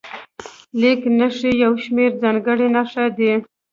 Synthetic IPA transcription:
leknəʂijawʃmeɾzaŋɡəɽinaʂad̪i

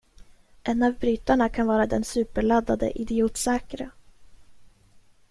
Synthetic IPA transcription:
ʔɛnːavbɾyːt̪aɳakʰanvɑːɾad̪ɛnsʉ̟ːpəɭad̪ːad̪ə̰ʔɪd̪ɪuːt̪sɛːkɾə

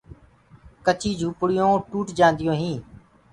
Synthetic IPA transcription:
kət͡ʃiːd͡ʒʱuːpɽɪjõːʈuːʈd͡ʒãːnd̪ɪjõːɦĩː

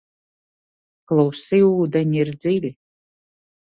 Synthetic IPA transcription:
klˠuwsiuːd̪ɛnʲiiɾd̪zilʲi

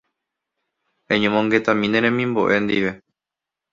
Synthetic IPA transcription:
ẽɲõmõŋɡe̞t̪ãmĩnẽɾẽmĩmboʔe̞nd̪iʋe̞

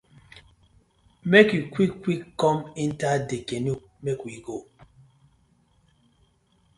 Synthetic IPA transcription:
mekjukwikːwikːɔmin̩tadekenu | mekwiɡo

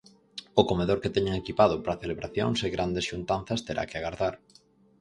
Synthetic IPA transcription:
ʊkomeðoɾket̪ɛɲaŋekipað̞ʊpɾaθeleβɾaθjo̰ŋseɣɾand̪esʃunt̪an̟θɐst̪eɾʔa̰keaɣaɾðaɾ

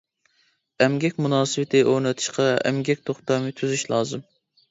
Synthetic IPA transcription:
ɛmɡʲɛkʲmunɑːsɨwɪt̪ʰɪʔoɾnɨt̪ʰɨ̥ʃqɑɛ̰mɡʲɛk̚ʲt̪ʰoχt̪ɑmɨt̪ʰyzyʃlˠɑːzɨm

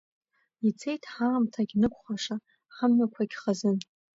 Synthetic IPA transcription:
it͡sʰe̞jtʰħaːmtʰaɡʲnɨkʷʰχaʂa | ħəmːakʷʰaɡʲχazɨn

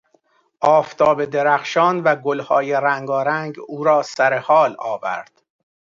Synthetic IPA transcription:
ʔɒːft̪ʰɒːbe̞d̪eɾæxʃɒːnvæɡolhɒːjeɾæŋɡɒːɾæŋɡuːɾɒːsæɾe̞hɒːlɒːvæ̰ɾd̪̥

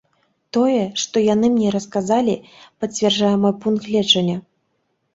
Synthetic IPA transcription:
t̪ɔjɛʂt̪ɔjanɨmnʲɛɾɐskazalʲipɐt͡sʲvʲɛrʐajɛmɔjpunk̪lʲɛt͡ʂɐnʲːɐ

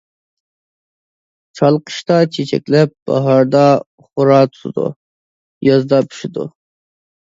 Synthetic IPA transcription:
t͡ʃʰɑlˠqə̥ʃt̪ɑt͡ʃʰet͡ʃʰɛ̰kʲlɛp̚b̥ɑ̰ɦɑɾd̪ɑ | χʊɾɑːt̪ʰʊ̥t̪ʰɨd̪ṵ | jɑzd̪ɑpʰy̥ʃɪd̪ṵ

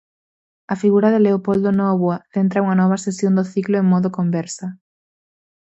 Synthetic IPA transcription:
ɐfiɣuɾɐðɪleopold̪onɔβwaθent̪ɾɐuŋɐnɔβ̞ɐsesjond̪oθiklʊeŋmɔðʊkombɛɾsɐ

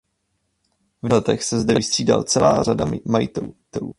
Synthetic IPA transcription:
vlɛt̪ɛxsɛzdɛvɪst̪r̝̥iːda̰lt͡sɛlaːɾadamajɪt̪ɛlut̪ɛluː

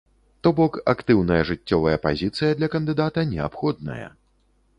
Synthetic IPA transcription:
t̪ɔbɔkakt̪ɨwnɐjɐʐɨt͡sʲːɔvɐjɐpa̰zʲit̪sɨjɐd̪lʲɐkɐnd̪ɨd̪at̪ɐnʲɛapxɔd̪̚nɐ̰jɐ̰

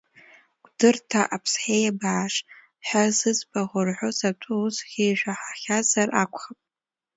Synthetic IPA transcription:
ɡʷʼdɨrtʰaʔapʰsħejabaʕːʂ | ħʷazɨzbʼaʁʊrħʷosatʰɨusχʲiʒʷᶣaħaχʲazarʔakʷʰʼχapʼ

